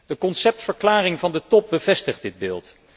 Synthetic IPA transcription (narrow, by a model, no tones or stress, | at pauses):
d̥əkɔnsɛp̚tfəɹklaːrɪŋvɑndətɔp̚bəvɛstəχd̚ɪd̚bɪːlˠt